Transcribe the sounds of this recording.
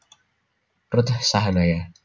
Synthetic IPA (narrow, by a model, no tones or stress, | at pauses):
rʊt̪hsaɦalaja